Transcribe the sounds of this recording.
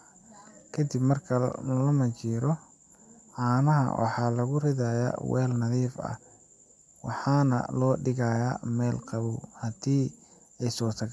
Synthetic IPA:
kʰɐd̪ɪbmɐrkʰɐlɐmɐt͡ʃiːɾɔ | ʕɑːnɐɦɐ̰wʔɑ̰ħɑːlɐɣʊrɪðaja̰ːwɛ̰ːlnɐðiːfɐ̰ | wɑ̰ħɑːnɐ̰lɔːɖɪɣɐjaːmɛːlqɑβuhɐd̪iː | ɛjsɔːt̪ʰɐɣ

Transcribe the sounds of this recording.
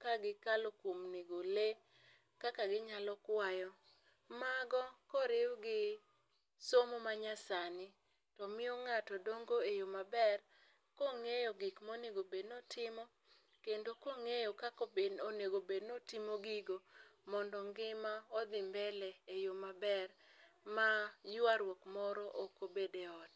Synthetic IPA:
kaɡɪkalokwomnɪɡole | kakaɡɪɲalɔkwajɔ | maɡɔkɔɾɪwɡɪ | somomaɲasanɪ | tɔmɪɔŋatɔdoŋɡoejomabɛr | koŋejɔɡɪkmoneɡobednotɪmɔ | kendokoŋejokakobenoneɡobednotɪmoɡiɡomɔndɔŋɡɪmaɔd̪ɪmbɛlɛejomabɛrmajʊaɾwɔkmɔɾɔʔokobedeɔt

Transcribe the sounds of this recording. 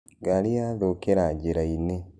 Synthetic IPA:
ɡaliaðokeɾaɟeɾaine

